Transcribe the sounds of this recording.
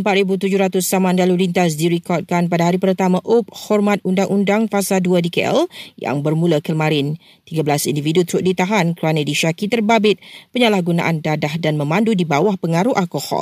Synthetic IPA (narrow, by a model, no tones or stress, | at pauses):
əmpat̪̚ɾibut̪ud͡ʒʊɾat̪ʊsamãndalamlint̪as̬diɾikɔrt̪̚kanpadaɦaɾipərt̪amãʔop̚hɔrmãt̪̚undaŋʔundaŋfasaduadikɛʔɛ̰lja̰ŋbərmũlakəmãɾɪn | t̪iɡabəlasindividut̪ɾuʔ̚dit̪aɦankəuarnadiʃakit̪ərbabɪt̪̚pəɲalahɡuna̰ʔandadahdanmə̃mãndudibawahpəŋaɾuhʔalkɔhɔ̰l